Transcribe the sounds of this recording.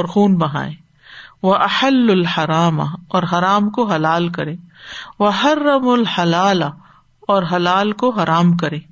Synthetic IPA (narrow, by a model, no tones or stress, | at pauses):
ɾxuːnbɐɦa̰ːẽ | ʋɐʔɐħɐlːʊlhɐɾaːma̰ɔːɾɦɐɾaːmkoɦɐlaːlkɐɾẽːʋɐɦɐrːɐmʊlhɐlaːla | ɔːɾɦɐlaːlkoɦɐɾaːmkɐɾẽː